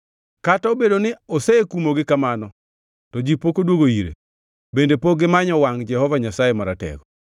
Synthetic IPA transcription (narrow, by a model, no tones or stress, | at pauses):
kataobedonɪosekumoɡɪkamanɔ | tɔd͡ʒipokodwoɡoiɾḛ | bendepoɡɪmaɲɔwaŋd͡ʒɛhɔvaɲasaemaɾatɛ̰ɡɔ